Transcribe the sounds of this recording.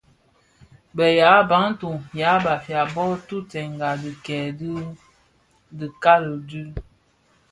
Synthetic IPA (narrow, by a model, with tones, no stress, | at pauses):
bə˨ja˨˦ba˨˦n˦tu˨ŋja˨˦ba˨fja˨bɔ˦tu˦tɛ˨ŋɡa˨di˨kɛː˨d | di˨ka˦lə˨dʉ˦